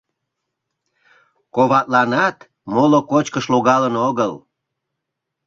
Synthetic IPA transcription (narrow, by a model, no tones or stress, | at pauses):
koβɑt̪lɑnɑt̪ | molokot͡ɕkəʃloɣɑlənoɣəl